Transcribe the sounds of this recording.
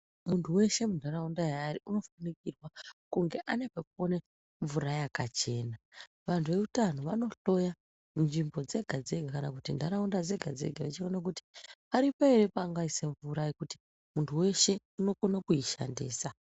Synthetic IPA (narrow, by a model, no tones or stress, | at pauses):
muntʰuwe̞ʃe̞mundʱaɾaundajaːɾiʔuno̞fanikirwakuŋɡe̞ʔane̞pak̚uone | ɱvuɾajakat͡ʃe̞ːna | ʋantʰuʋe̞utan̤uʋano̞ɬo̞ja | unʐimbo̞d͡ze̞ɡʱad͡ze̞ɡʱakanakutindʱaɾaundad͡ze̞ɡʱad͡ze̞̰ɡʱaʋet͡ʃionak̬uti̥paɾipaeɾe̞paːŋɡaise̞ɱvuɾaekuti̥ | muntʰuwe̞ʃe̞ | uno̞ko̞nakuiʃa̰ndḭːsa